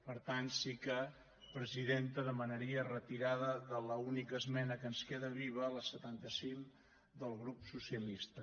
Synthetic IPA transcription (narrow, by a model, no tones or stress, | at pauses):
pəɾt̪ansikə | pɾəziðent̪əðəmənəɾiərət̪iɾaðəðələunikəːzmɛnəkənskeðəβiβələsət̪ant̪əsiŋ | d̪əlˠɣɾupsusiəlist̪ə